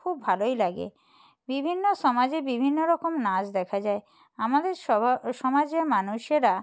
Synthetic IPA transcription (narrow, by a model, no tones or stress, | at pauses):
kʰubbʱalojlaɡḛ | bibʱinːoʃɔmad͡ʑebibʱinːoɾɔkomnad͡ʑd̪ɛkʰad͡ʑae | amad̪eɾʃʃɔmad͡ʑeɾmanuʃeɾa